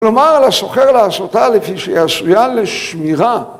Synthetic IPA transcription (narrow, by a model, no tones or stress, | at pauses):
lomaʁlasoχeʁlaːsot̪alefiʃejasujanleʃmiʁa